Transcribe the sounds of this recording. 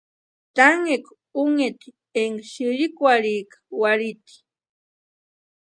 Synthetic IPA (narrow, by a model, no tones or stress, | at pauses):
t̪aŋek | uŋet̪i | eŋɡʃiɾikʷwaɾikḁwaɾit̪i̥